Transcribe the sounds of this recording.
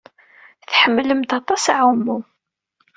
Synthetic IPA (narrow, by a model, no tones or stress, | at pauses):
θħəmːləmt̪ɑt̪ˤɑsʕumːu